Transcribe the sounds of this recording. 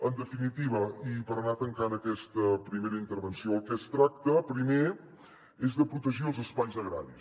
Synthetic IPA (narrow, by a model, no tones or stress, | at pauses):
ənd̪əfinit̪iβ̞əipəɾnat̪əŋkanəkɛst̪əpɾimeɾəint̪əɾβənsioəlˠkɛst̪ɾak̚t̪əpɾime | ezðəpɾut̪əʒiəlˠzəspajzəɣɾa̰ɾis